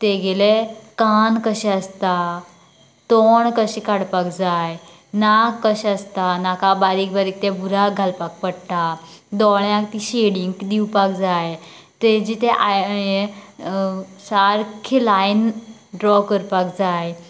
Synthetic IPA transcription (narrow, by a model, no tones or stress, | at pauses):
t̪eɡelekankəɕɛəst̪a | t̪ɔɳkəɕikaɽpakd͡zaj | nakːəɕəst̪anakabaɾik̚baɾik̚t̪ebuɾaɡʱalpak̚pəɽʈ̪ad̪ɔɳjakt̪iɕeɽiŋɡd̪iwpak̚d͡zaj | t̪ed͡ʑit̪eʔaje | saɾkʰelajnɖɾɔkəɾpakd͡zaj